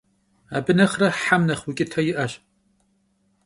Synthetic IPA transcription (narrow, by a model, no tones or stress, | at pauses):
abɨnɐχraħamnɐχwukʲʼɪtʰajɪʔɐʃ